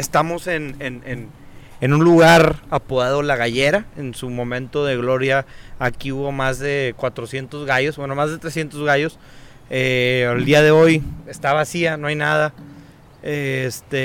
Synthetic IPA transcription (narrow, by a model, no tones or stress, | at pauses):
est̪amo̞se̞nenen | enũnluɣaɾapoðaðo̞laɣaʝe̞ɾaensumõ̞mẽ̞nt̪o̞ðe̞ɣlo̞ɾjaːkiuβo̞mazðe̞kwat̪ɾo̞sje̞nt̪ozɣaʝo̞sbwe̞no̞mazðe̞t̪ɾesje̞nt̪o̞zɣajo̞s | eald̪iaðe̞o̞je̞st̪aβasiano̞ajnaða | est̪e